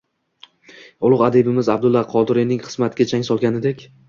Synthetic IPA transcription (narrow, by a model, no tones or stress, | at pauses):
ʊlˠʊqad̪ebɪmɪzab̚d̪ʊlˠːaqʰɒd̪ɪɾinɪŋχɨ̥z̥mat̪ʰɡʲat͡ʃʰaŋsɒlˠɡʲanɪd̪ekʲ